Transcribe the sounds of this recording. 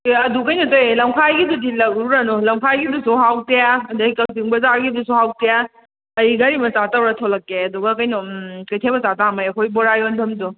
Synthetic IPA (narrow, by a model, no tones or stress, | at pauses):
ɐdukɐjnɔtojlɐmkʰajɡidudilɐɡ̚ɾuɾanolɐmkʰajɡidusuɦawtejaɐdakɐltiŋbɐzaɾɡidusuhawteja | ɐjiɡaɾimɐsatawɾatʰolɐkːeɐduɡɐkɐjnɔkɐjtʰebɐsatamajɐkʰojbɔɾajondɐmdu